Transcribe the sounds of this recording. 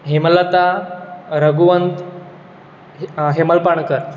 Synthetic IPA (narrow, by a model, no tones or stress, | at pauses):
ɦemələt̪a | ɾəɡuʋənt̪ | ɦeməlpaɳkəɾ